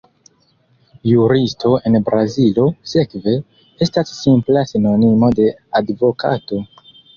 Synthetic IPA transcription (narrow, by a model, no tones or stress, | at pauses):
juɾistʰo̞e̞nbɾazilo̞se̞kve̞ | e̞stasːimplasino̞nimo̞de̞advo̞kʰa̰to̞